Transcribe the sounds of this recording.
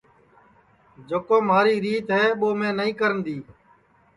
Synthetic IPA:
d͡ʒoːkoːmaːɾiːɾiːt̪ɦɛːɓoːmẽːnəĩːkəɾənd̪iː

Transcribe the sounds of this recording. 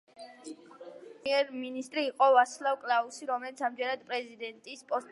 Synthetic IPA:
ɛɾminist̪ʼɾiːqʼɔvaslˠavkʼlˠausiɾɔmɛlit̪sʰamd͡ʒɛnad̪pʼɾɛzid̪ɛnt̪ʼispʼɔst̪

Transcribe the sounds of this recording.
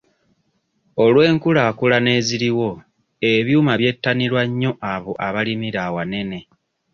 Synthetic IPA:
o̞lwe̞ːŋkulakulane̞ːziɾiwo̞ | e̞βjuːmaβje̞tːanilwaɲːo̞ʔaβo̞ʔaβalimiɾawane̞ne̞

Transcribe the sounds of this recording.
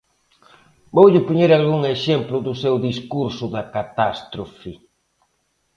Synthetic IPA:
bowʎɪpuɲeɾalɣuŋeʃɛmplʊðʊsewðiskuɾsʊðɐkat̪ast̪ɾofɪ

